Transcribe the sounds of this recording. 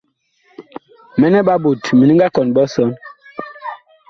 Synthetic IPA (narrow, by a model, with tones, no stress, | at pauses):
mɛ˦nɛ˦ɓa˦bo˨tmi˨i˦ŋɡa˦kɔ˨nbɔ˦sɔ˦n